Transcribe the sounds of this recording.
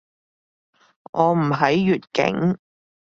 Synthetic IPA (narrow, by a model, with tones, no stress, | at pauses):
ʔɔː˨˧m̩˨˩ɦɐ˨˥jːyː˨t̚kɪ̰˨˥ŋ